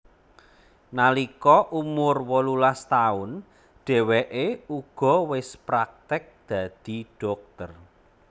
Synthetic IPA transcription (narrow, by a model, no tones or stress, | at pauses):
nalikɔʔumʊrwɔlulast̪aʊn | ɖ̥ɛ̤wɛʔeuɡ̥ɔ̤wɪspɾak̚t̪ɪk̚d̪̥ä̤d̪̥i̤ɖ̥ɔ̤k̚t̪ər